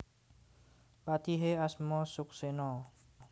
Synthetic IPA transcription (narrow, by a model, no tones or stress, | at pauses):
pat̪iɦeasmɔsʊksenɔ